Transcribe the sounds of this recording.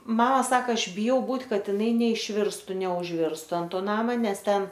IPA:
ˈmɑːmɐ ˈsɑːkɐ ˈɐʃ bʲɪˈjɛʊ ˈbuːtʲ ˈkɐt ɪˈnɐɪ nʲɛɪʃʲˈʋʲɪrstʊ nʲɛʊʒʲˈʋʲɪrstʊ ɐnt ˈtoː ˈnɑːmɐ ˈnʲɛs ˈtʲɛn

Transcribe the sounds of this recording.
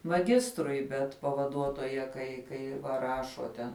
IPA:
mɐˈɡʲɪstrʊɪ ˈbʲɛt pɐʋɐˈduɔtoːjɛ kɐɪ ˈkɐɪ ʋɐ ˈrɑːʃoː tʲɛn

